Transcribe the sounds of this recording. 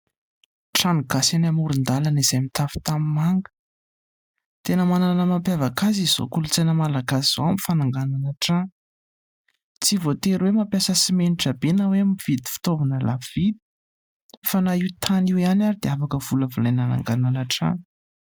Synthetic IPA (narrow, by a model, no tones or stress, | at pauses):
ʈ͡ʂaniɡ̥asanamuɾund̪alaniz̥ajmit̪afi̥t̪amimaŋɡə̥ | t̪enəmananəmampjavakazizo̰kulut͡senəmalaɡasiz̥oamifanaŋɡananaʈ͡ʂa | t͡sivot̪eɾwemampjasəsimeniʈ͡ʂabenaweamivid̪i̥fi̥t̪ovunəla̰vid̪i̥ | fanaiwt̪ʰaniwianaɾid̪eafakəvuləvulajnana̰ŋɡananaʈ͡ʂa̰